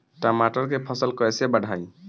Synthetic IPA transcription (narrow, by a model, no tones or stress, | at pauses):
ʈamaʈɔɾkepʰɔsəlkɔɛsɛbaɽʱaj